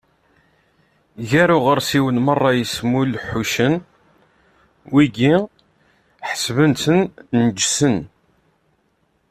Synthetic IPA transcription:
ʝæɾʊʁəɾsiwənmərˤːɑjəsmulħuʃən | wiɡi | ħə̥svənsənnd͡ʒsən

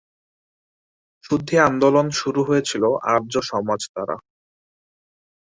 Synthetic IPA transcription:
ʃud̪ʱːiand̪olonʃuɾuɦojet͡ɕʰiloʔa̰ɾd͡ʑoʃɔmad͡ʑt̪aɾa̰

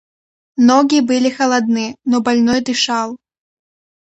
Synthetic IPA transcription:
nɔɡʲibɨlʲixɐlˠad̪̚nɨnɔbalʲnɔjd̪ɨʂalˠ

